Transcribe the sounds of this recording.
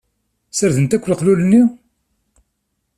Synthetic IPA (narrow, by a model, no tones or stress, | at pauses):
səɾðənt̪ækʷːlqlulənːi